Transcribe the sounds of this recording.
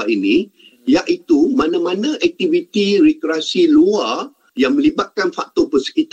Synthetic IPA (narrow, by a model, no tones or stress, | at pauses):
inĩ | jaʔit̪umãnãmãnãʔɛk̚t̪ivit̪irɛkɾeasilua | jaŋmə̃libat̪̚kanfak̚t̪ɔpəsə̥kit̪